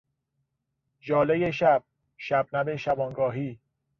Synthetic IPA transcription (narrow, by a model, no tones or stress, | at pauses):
d͡ʒɒːlejeʃæb̥̚ | ʃæbnæbeʃæbɒːnɡɒːɦiː